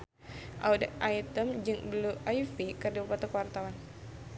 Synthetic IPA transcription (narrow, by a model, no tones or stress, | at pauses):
ʔaudʔait̪əmd͡ʒɨŋbluajfikərdupat̪əkəwart̪awan